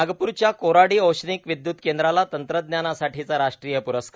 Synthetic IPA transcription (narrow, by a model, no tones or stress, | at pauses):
ɡəpuːɾt͡ɕjakoɾaɽiːəwɕniːkʋid̪jut̪kend̪ɾalat̪ənt̪ɾəd̪njanasaʈʰit͡saɾaʂʈɾijəpuɾəskʰ